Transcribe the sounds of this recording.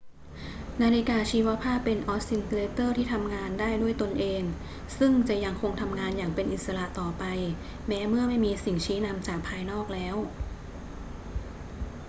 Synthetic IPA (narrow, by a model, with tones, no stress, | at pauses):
naː˧li˦˥kaː˧t͡ɕʰiː˦˥wa˦˥pʰaː˥˩pːe˧nʔɔː˦˥si˧nkleː˦˥t̪ɤː˥˩t̪ʰiː˥˩t̪ʰa˧mŋaː˧ndaː˥˩jdu˥˩əjt̪o˧nʔeː˧ŋ | sɯ˥˩ŋt͡ɕa˨˩ja˧ŋkʰo˧ŋt̪ʰa˧mŋaː˧njaː˨˩ŋpe˧nʔi˨˩t̪̚sa˧la˨˩ʔt̪ɔː˨˩pa˧j | mɛː˦˥mɯ˥˩ɐma˥˩jmiː˧si˨˩ŋt͡ɕʰiː˦˥na˧mt͡ɕaː˨˩k̚pʰaː˧jnɔː˥˩k̚lɛː˦˥w